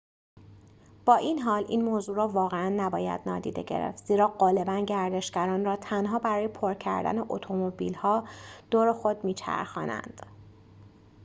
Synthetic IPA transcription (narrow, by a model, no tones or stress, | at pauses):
b̥ɒːʔiːnɦɒːlḭːnmoːzuːɾɒːvɒːɣeænːæbɒːjæ̰d̪̥nɒ̰ːd̪ḭːd̪ḛɟe̞̰ɾḛft̪z̥iːɾɒːɢɒːle̞bænɟæɾd̪e̞ʃɟæɾɒːnrɒːt̪ʰænɦɒːbæɾɒːje̞pʰoɾcʰæ̰ɾd̪æ̰neʔot̪ʰo̞mobḭlhɒːd̪̥oːɾexo̞d̪miːt͡ʃʰæ̰ɾxɒ̰ːnæ̰nd̪̥